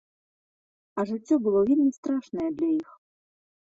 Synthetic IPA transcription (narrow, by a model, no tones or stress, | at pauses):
ɐʐɨt͡sʲːɔbɨlˠɔvʲelʲmʲist̪ɾaʂnɐjɛd̪lʲaix